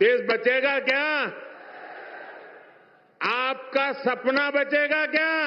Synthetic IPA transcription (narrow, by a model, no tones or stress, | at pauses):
eːsbɐt͡ʃeːɡakjaː | aːp̚kasɐpnabɐt͡ʃeːɡakjaː